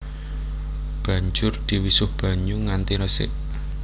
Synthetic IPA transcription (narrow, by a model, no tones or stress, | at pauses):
b̥ä̤ɲd͡ʒʊrd̪̥i̤wisʊhb̥a̤ɲuŋant̪iɾəsɪ̰ʔ